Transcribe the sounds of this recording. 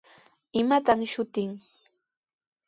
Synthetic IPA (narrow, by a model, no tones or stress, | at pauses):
ɪmat̪amʃʊt̪ɪŋ